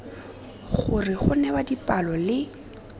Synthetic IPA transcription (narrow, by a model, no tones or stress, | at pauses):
ɣʊrɪχʊnɛwadipʼalɔlɪ